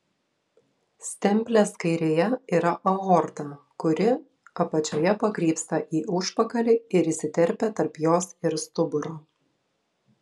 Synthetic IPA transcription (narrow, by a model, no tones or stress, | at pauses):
sʲt̪ʲɛmʲpʲlʲɛskɐɪɾʲeːjɛiːɾɐʔɐɣɔɾt̪ɑ | kʊɾʲɪ | ɐpɐt͡ʃʲoːjɛpɐkɾʲiːpst̪ɐʔiːʔʊʃpɐkɐlʲiɪɾisʲɪt̪ʲɛɾʲpʲɛt̪ɐɾpjoːsɪɾst̪ʊbʊɾoː